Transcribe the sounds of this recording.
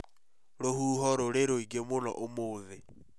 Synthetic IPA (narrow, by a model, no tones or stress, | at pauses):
ɾohuːɦɔɾoɾeɾoiɡemonɔ̰ʔomoːðe